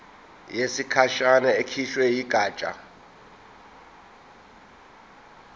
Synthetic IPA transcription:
jesikʰaʃanaekʰiʃwɛjiɡ̥ʱaːt͡ʃʼa̰

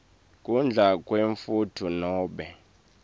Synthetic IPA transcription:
kʼund͡ɮʱakʼweɱfutʰunɔːɓɛ

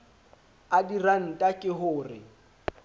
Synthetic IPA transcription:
adiran̩tʼakʼɪɦʊːrɪ̰

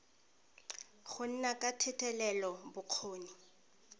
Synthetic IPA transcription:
χʊn̩nakʼatʰɛtʰʼɛlɛlɔbʊq͡χʰoːni

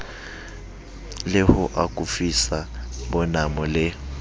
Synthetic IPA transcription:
lɪhʊʔakʼufisabɔnamɔlɪ

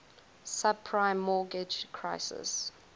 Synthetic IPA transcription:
sab̚pʰɹãɪmːɔːɡɪd͡ʒkʰɹaɪsɪ̰s

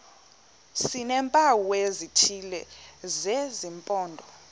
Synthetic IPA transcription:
sinɛmpʼawezitʰilɛzezimpʼɔːndʱɔ

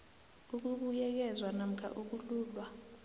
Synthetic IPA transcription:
uk̬uɓujɛk̬ɛzwanam̩kʰa̰ʔuk̬uluːɓa

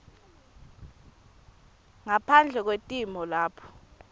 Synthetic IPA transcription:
ŋapʰand͡ɮʱɛk̬wetʼimɔlaːpʰɔ̥

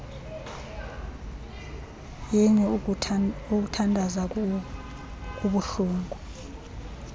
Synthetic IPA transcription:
jiɲɛ | uk̬utʰandʱaza | k̬ʼuɓuɬuːŋɡʱu

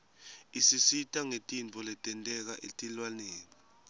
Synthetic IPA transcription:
isisitʼaŋetʼint͡fʰʼɔlɛtʼɛntʼɛk̬aʔetʼilwanɛːlɔ

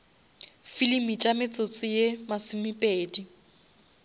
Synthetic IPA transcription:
filimit͡ʃʼamɪt͡sʼʊt͡sʼɪjemasɪmipʼeːdi

